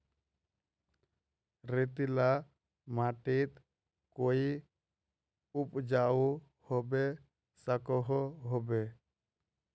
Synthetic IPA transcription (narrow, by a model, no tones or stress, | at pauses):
ɾet̪ila | maʈit̪ | koi | up̚d͡ʒau | hɔbɛ | sakɔɦɔɦɔbɛ